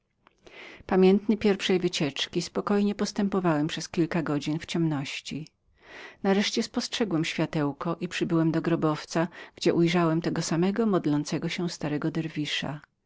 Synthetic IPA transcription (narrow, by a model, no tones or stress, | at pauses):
pamʲjɛnt̪nɘpʲjɛɾfʂɛjvɘt͡ɕɛt͡ʂkʲispɔkɔjɲɛpɔst̪ɛmpɔvawɛmpʂɛskʲilkaɡɔd͡ʑinft͡ɕɛmnɔɕt͡ɕi | naɾɛʂt͡ɕɛspɔstʂɛɡwɛmɕfʲjat̪ɛwkɔʔipʂɘbɘwɛmd̪ɔɡɾɔbɔft̪saɡ̥d͡ʑɛʔujʐawɛmt̪ɛɡɔsamɛɡɔmɔd̪lɔnt̪sɛɡɔɕɛst̪aɾɛɡɔd̪ɛɾvʲiʂa̰